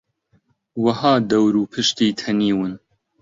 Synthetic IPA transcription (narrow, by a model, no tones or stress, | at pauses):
wɐhɑːd̪ɐwɾuːpʰɨʃt̪iːt̪ʰɐniːwɨn